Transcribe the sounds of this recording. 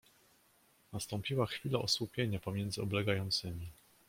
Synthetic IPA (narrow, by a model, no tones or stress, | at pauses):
nast̪ɔmpʲiwaxfʲilaʔɔswupʲjeɲapɔmʲjɛnd̪zɘɔblɛɡajɔnt̪sɘmʲi